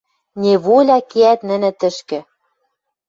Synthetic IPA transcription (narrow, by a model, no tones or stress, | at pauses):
nʲeβolʲɑkeæt̪nɘ̆nɘ̆t̪ɘ̆ʃkɘ̆